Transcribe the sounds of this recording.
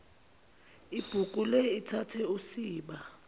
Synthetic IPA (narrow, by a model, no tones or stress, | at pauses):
ib̥ʱukʼuleitʰatʰɛusiːɓa